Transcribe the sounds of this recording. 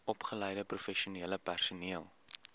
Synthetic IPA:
ɔpχələjdəprufɛʃuniələpærsuniəlˠ

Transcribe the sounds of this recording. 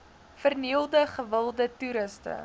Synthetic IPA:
fərniəlˠdəχəvəlˠdətuɾəstə̰

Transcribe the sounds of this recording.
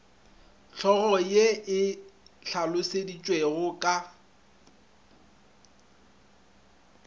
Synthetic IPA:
t͡ɬʰɔɣɔjeɪɬʰalʊsedit͡ʃʼweɣʊkʼa

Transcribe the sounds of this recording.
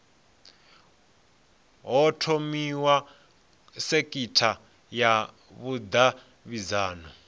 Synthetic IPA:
ɦɔtʰomiwa | sekʼitʰa | ja | βud̪a | βizaːnɔ

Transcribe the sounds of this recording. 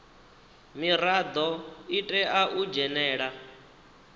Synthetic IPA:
miɾad̪ɔitʼɛaʔud͡ʒɛnɛːɺa

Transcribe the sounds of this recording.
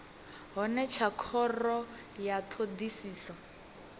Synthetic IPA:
ɦɔnɛt͡ʃʰakʰɔrɔ | jat̪ʰod̪isiːsɔ

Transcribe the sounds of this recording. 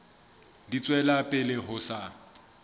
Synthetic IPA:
dit͡sʼwɛlapʼɪlɪɦʊsa

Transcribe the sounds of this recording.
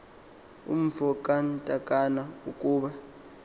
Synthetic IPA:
ṵm̩fɔkʼantʼakʼanaukʼuːɓa

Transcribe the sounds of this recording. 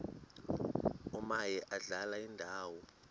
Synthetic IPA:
umajɛʔaɮalaindʱaːwɔ

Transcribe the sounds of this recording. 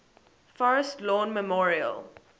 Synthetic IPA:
fɔɹəstlɔ̃ːnməmɔɹiə̰l

